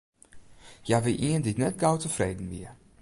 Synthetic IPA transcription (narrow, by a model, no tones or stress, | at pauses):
jaʋɪlʔiənditnɛt̚ɡawtəfreːdn̩bḭə